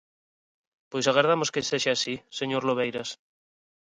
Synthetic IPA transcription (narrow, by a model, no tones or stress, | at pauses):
pwojsaɣ̞aɾðamoskeseʃaasiseɲoɾloβejɾas